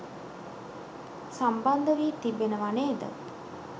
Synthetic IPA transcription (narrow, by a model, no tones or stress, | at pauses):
samband̪əʋiːt̪ibenəʋaneːd̪ə̰